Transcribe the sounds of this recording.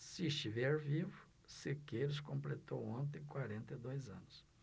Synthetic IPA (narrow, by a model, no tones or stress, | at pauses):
sɪst͡ʃivɛɾvivʊ | sekejɾʊskõmplet̪owõnt̪ẽj̃kwaɾẽnt̪ɐɪd̪ojzɐ̰̃nʊs